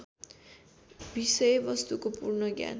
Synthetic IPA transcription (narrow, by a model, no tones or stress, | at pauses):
bisʌjbʌst̪ukopurnʌɡja̰n